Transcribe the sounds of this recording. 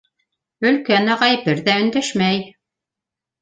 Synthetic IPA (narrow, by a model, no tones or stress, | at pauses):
ɵ̆lkænæʁɑjpɘɾðæɵ̆nd̪æʃmæj